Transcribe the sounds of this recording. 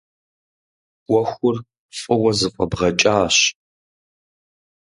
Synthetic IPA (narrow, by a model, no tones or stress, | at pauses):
ɔxʷʊr | fʼɨwɐzɨfʷʼɐbʁɐt͡ʃʼaːɕ